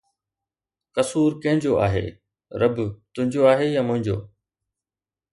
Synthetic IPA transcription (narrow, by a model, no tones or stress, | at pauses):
kɐsuːɾkɐ̃ɦɪ̃ɲd͡ʑoʔa̰ːɦḛː | ɾɐbt̪ʊɦɪ̃ɲd͡ʑoaːɦejamʊ̃ɦɪ̃ɲd͡ʑo̰ː